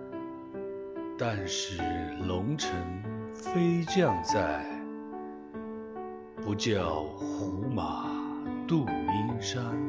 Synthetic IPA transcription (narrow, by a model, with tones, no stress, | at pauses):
t̪a˥˧nʂɻ̩˥˩lʊ˧˥ŋʈ͡ʂʰɤ˧˥ŋ | fe˥ɪt͡ɕjɑ˥˧ŋt͡sa˥˩ɪ | pu˧˥t͡ɕjɑ˥˩ʊxu˧˥ma˨˩˦t̪u˥˩i˥nʂa˥n